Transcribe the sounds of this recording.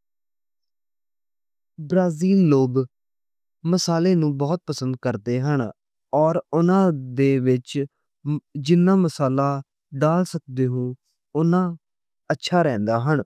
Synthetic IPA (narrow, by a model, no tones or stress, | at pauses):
bɾaːziːlloːb | məsaːleːnũːbɔːt̪̚pəsənd̪̚kəɾd̪eːɦəɳ | ɔːɾʊnãːd̪eːʋɪt͡ʃ | d͡ʒɪnːãːməsaːlaː | ɖaːlsək̚d̪eːɦũː | ʊnãː | ətːʃʰaːɾɛ̃ːnd̪aːɦəɳ